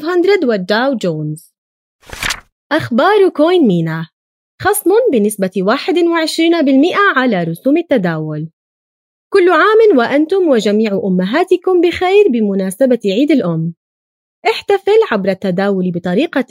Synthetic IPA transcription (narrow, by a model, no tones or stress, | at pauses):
ɦand̪ɾˤɑd̪wad͡ʒːaːwd͡ʒoːnz̥ | ʔaxbɑːɾˤkoːjnmiːna | xɑsˤmʊnbɪnɪsbawaːħɪd̪wɪʕɪʃɾiːnabɪlmɪʔaʕalaɾˤʊsuːmɪt̪ːad̪aːwʊl | kʊlːʕaːmɪnwaʔant̪ʊmwɪd͡ʒamiːʕʔʊmːaɦaːt̪ɪkʊmbɪxajɾbɪmʊnaːsabaʕiːd̪ɪlʔʊmː | ʔɪħt̪afɪlʕabɾˤat̪ːad̪aːwʊlibɨt̪ˤɑɾiːqa